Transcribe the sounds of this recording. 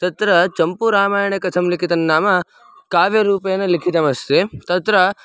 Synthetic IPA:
t̪ɐt̪ɾɐt͡ʃɐmpuɾaːmaːjɐɳɐkɐt̪ʰɐmlikʰit̪ɐnːaːmɐ | kaːʋjɐɾuːpɐjɐnɐlikʰit̪ɐmɐst̪ʰet̪ɐt̪ɾɐ

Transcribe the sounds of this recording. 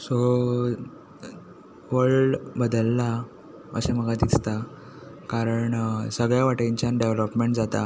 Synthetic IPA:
so | ʋəɭɖbəd̪əlːa | ə̰ɕem̤əɡʱad̪ist̪a | kaɾəɳsəɡɭjaʋaʈẽɲt͡ɕjanɖeʋləpmeɳʈd͡zat̪a̰

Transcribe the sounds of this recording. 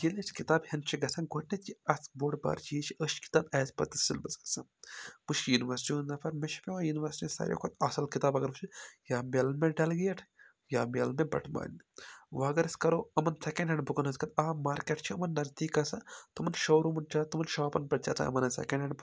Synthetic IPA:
d͡ʒelet͡ʃʰkit̪aːbhɐnt͡ʃʰiɡɐsɐnɡoʈʰnet͡ʃiɐsboːɖba̰ːɾt͡ʃijit͡ʃʰiʔəʃki̥t̪aːbɛːspɐ̰t̪isilbɐsɡɐ̥sanpuʃjuniʋɐɾsi̥ʈiɦũnd̪ɐpʰɐɾmeʃʰi̥pʲewajuniʋɐɾsi̥ʈisɐ̰ɾʲjḛkʰot̪ɐsɐlkit̪aːbɐɡɐɾut͡ʃʰijaːmʲɐlmeɖɐlɡijɐʈʰ | jaːmʲelmebɐ̰ʈʰma̰ːn | ʋaːɡɐɾɐskɐɾoːɐmɐnsɛkẽɳɖɐɳbukɐnɦɐzkɐt̪aːmaːɾkʲeʈt͡ʃʰiɐmɐnːɐzd̪iːkɐsat̪umɐnʃoːɾumɐnd͡ʒaːt̪umɐnʃaːpɐnpɾɐt͡ʃat̪ʰa̰ɐ̰mɐnɐsɛ̰kɐ̃ɳɖɐɳb

